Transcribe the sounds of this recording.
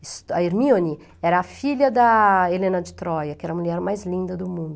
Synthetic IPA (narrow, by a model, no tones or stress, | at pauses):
ɪst̪ɐiɾmioni | ɛɾɐːfiʎɐd̪ɐelẽnɐd͡ʒɪt̪ɾɔjɐkɪɛɾɐmuʎɛɾmajzlĩnd̪ɐd̪ʊmũnd̪ʊ